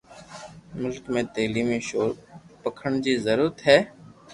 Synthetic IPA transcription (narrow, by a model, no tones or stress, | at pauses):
mʊlkmẽːt̪eːliːmẽːʃoːɾpəkʰəɳd͡ʒiːzəɾuːɾət̪ɦɛː